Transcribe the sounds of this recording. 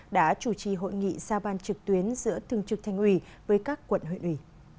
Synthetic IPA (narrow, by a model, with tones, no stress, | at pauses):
ɗa̰ː˧˥t͡ɕu˧˩t͡ɕḭ˧˨˩ɦo̰˧˨jŋḭ˧˨zaː˧ɓaː˧nt͡ɕɨ˨˩k̚t̪wi˨˦ənzɨ̰˧˥ət̪ʰɨ˨˧˩əŋt͡ɕɨ˨˩k̚t̪ʰa˧jŋ̟ʔwi˧˩vəː˨˦jkaː˦˥kːwə̰˧˨nhwḭ˧˨nʔi˧˩